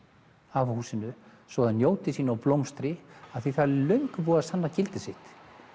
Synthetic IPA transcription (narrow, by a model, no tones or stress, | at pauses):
avhuːsɪnʏsvɔːɣðannjoːwt̪ɪsiːnɔwplowmst̪ɾɪaðθiθaðlœɥŋkvuːasanːacɪlt̪ɪsɪht̪